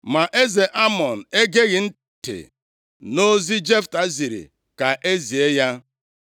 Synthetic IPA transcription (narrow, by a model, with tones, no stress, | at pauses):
ma˨ʔe˦ze˨ʔa˦mɔ˨n̩˨e˦ɡe˦ɣɪ˨n̩˦ | tḛ˨ | no˦zi˦d͡ʒe˦fta˨zi˨ɾḭ˨ | ka˨ʔe˦zi˨e˦ja˦